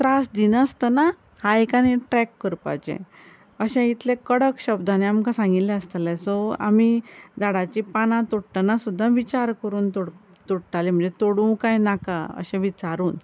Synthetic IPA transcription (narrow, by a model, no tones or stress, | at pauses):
t̪ɾasd̪inəst̪əna | hajkaniʈɾɛkːəɾpa̰t͡ɕḛ̃ | əɕɛ̃it̪lẽkəɽəkɕəbd̪ʱaneamkãsãŋɡit̪lɛ̃əst̪alɛsɔa̰mid͡zaɽat͡ɕipanãt̪uɽʈənasud̪ʱːaʋit͡ɕaɾkəɾuːnt̪oɽ | t̪uɽʈalim̤ə̃ɳd͡zet̪oɽũkajnaka̰ə̰ɕɛ̃ʋit͡saɾuːn